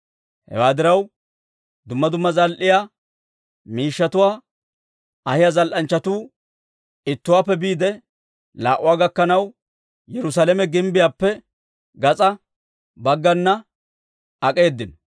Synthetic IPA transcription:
hɛ̰waːd̪ɪɾɐw | d̪ʊmːɐd̪ʊmːɐzɐlʔɪjaː | miːʃːɐt̪ʊwaː | ɐhɪjazɐlʔɐnt͡ʃːɐt̪uː | ɪt̪ːʊwaːpːɛbiːd̪ɛ | la̰ːʔʊwaːɡɐkːɐnɐw | jɛɾʊs̬aːlɛmɛɡɪmbɪjaːpːɛ | ɡɐt͡sʼɐ | bɐɡːɐnːɐ | ɐkʼeːd̪ːɪnɔ

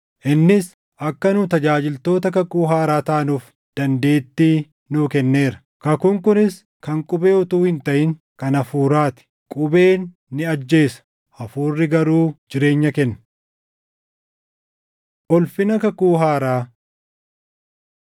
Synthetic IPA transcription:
ʔɪnːɪs | ʔɐkːɐnut̪ɐd͡ʒaːd͡ʒɪlt̪o̞ːt̪ɐkɐkuːɦaːɾaːt̪ɐʔɐnuːf | d̪̥ɐnd̪e̞ːt̪ːiː | nuːkɛnːe̞ːɾɐ̥ | kɐkʊŋkʊnɪs | kɐŋkʼʊbeːʊt̪uːhɪnt̪ɐʔɪŋ | kɐnɐfuːɾaːt̪ɪ̥ | kʼʊbe̞ːnː | ɪɐd͡ʒːe̞ːsɐ̥ | ʔɐfuːrːɪɡɐɾuːd͡ʒɪɾe̞ːɲːɐkɛnːɐ̥ | ʔɔlfɪnɐkɐkuːɦaːɾaː

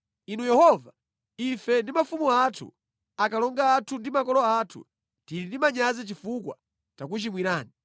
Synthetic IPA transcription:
inujɛhɔva | ifɛndimafumuatʰṵ | akalɔŋɡaːtʰundimakɔlɔatʰṵ | diɾindimaɲazit͡ʃifukwa̰ | takut͡ʃimwiɾaːni

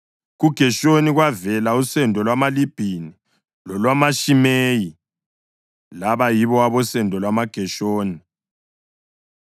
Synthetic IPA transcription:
ɣuɡ̥ʱɛʃoniɣwavɛlausɛndʱʼɔlwamalib̥ʱini | lɔlwamaʃimeːji | laβajiβɔaβɔsɛndʱɔlwamaɡ̥ʱɛʃoːni

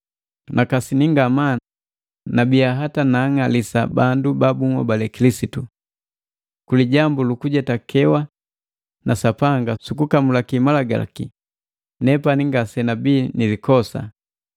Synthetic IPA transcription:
nʔakasiniŋɡama | nabiaɦatanaːŋalisa̰bandubabuŋa̰balɛkilisitu | kuliɟambulukuɟɛtakʰɛwa | nasapaŋɡasukukamulakimalaɡa̰ki | nɛpaniŋɡasɛnabiːnilikɔsa̰

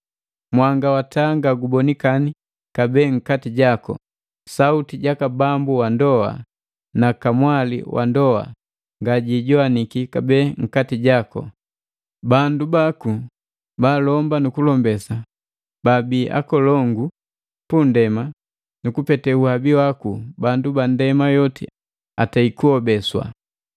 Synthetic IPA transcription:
mwaŋɡawataːŋɡaɡubɔnikani | kabɛːŋ̩katiɟakɔ̰ | sautiɟakabambuwandɔa̰ | nakamwalḭwʔa̰ndɔa̰ | ŋɡaɟiɟɔanikikabɛːŋ̩katiɟakɔ̰ | bandubaku | balɔmbanukulɔmbɛsa | babiːʔa̰kɔlɔŋɡu | pundɛma | nukupɛtɛuhabiwakubandubandɛmajɔtḭ | ataikuɔbɛswa̰

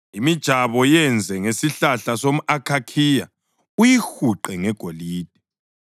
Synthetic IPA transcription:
imid̥ʒ̥ʱaβɔjɛnd͡zʱɛŋesiɬaɬasomuʔakʰakʰija | ujixuǃɛŋɛɡ̥ʱoliːd̥̚ʱɛ

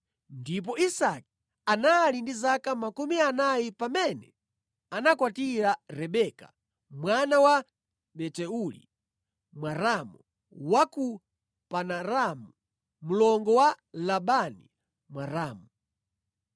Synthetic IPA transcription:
ndip̬ɔisaki̥ | analindizakamakumianajipamɛnɛ | anakwatiɾaɾɛɓɛkḁ̰ | mwanawa | ɓɛtɛulḭ | mwaɾamu | waku | panaɾamu | mulɔŋɡɔwa | laɓanḭ | mwaɾaːmu

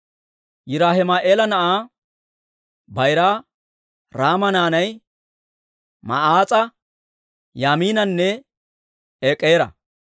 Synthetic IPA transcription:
jɪɾaːhɪmaʔeːlɐnɐʔaː | bɐjɾaː | ɾaːmɐnaːnɐj | mɐ̰ʔaːt͡sʼɐ | jaːmiːnɐnːɛ | eːkʼːeːɾɐ̰

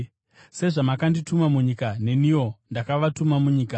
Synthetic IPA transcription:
se̞ʐamakanditumamuɲikane̞niwo̞ndakaʋatumamuɲiːka

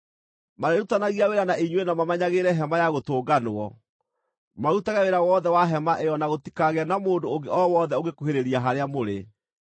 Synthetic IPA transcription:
maɾeɾutanaɣiaweɾanaʔiɲwenamamɛɲaɣeɾɛɦɛmajaɣotoːɡanoɔ | mautaɣɛweɾawɔðɛwaɦɛmaʔejɔnaɣoti̥kaɣeanamoːndooɡeɔwɔðɛoɣekuɦeɾeɾiaɦaɾeamoɾe

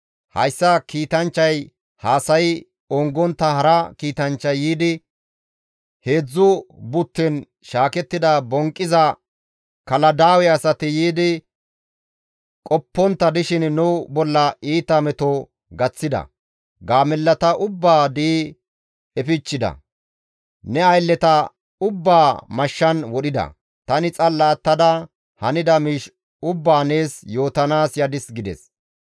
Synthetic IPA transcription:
hɐ̰jsːɐkiːt̪ɐnt͡ʃːɐj | haːsɐj | ɔŋɡɔnt̪ːɐhɐɾɐkiːt̪ɐnt͡ʃːɐjːiːd̪ɪ | he̞ːd͡zːʊbʊt̪ːɛn | ʃaːkɛt̪ːɪd̪ɐbɔŋkʼːɪzɐ | kɐlɐd̪aːwɛɐsɐt̪ɪjiːd̪ɪ | kʼɔpːɔnt̪ːɐd̪ɪʃɪnnʊwbɔlːɐiːt̪ɐmɛt̪ɔ | ɡɐt͡sːɪd̪ɐ̰ | ɡaːmɛlːɐt̪ɐʔʊbːaːd̪iː | ɛfɪt͡ʃːɪd̪ɐ̰ | nɛɐjlːɛt̪ɐ | ʊbːaːmɐʃːɐnwɔɗɪd̪ɐ̰ | t̪ɐnɪt͡sʼɐlːaːt̪ːɐd̪ɐ | hɐnɪd̪ɐmiːʃ | ʊbːaːneːsjo̞ːt̪ɐnaːsjɐd̪ɪsɡɪd̪ɛ̰s

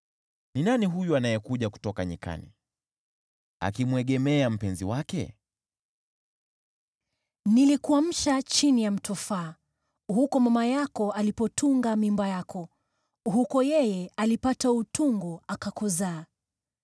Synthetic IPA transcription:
ninaniɦujuanajɛkuʄaku̥tɔkaɲḭka̰nḭ | a̰kimwɛɠɛmɛam̩pɛnziwakɛ̰ | nilikuam̩ʃat͡ʃinijam̩tʰɔfaː | ɦukɔmamajakɔalipɔtʰuŋɡamimbajakɔ | ɦukɔjɛjɛalipatautuŋɡɔakakɔzaː

